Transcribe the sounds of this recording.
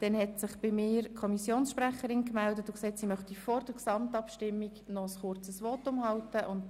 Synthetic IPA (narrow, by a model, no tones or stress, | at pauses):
d̥ɛnhɛtsɪχb̥ɪmɪːɾkʰɔmisjoːnsʃpræχəɾɪnkmældətʊkseːtsimœχt̪ifɔrd̥əɾksɑmtɑpʃtɪmːiɡnɔəsχʊrt͡səsʋɔtːʊmhɑltəʔʊnt